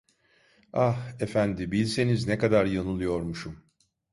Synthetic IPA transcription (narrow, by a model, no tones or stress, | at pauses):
ahefænd̪ibilʲse̞niznekad̪aɾjanɯlˠɯjo̞ɾmuʃum